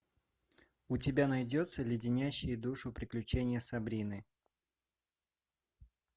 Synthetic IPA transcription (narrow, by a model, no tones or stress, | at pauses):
ʊtʲɪbʲanɐjdʲo̞t̪səlʲjɪdʲɪnʲæɕːɪjəd̪uʂʊpɾʲɪklʲʉt͡ɕenʲɪjəsɐbɾʲinɨ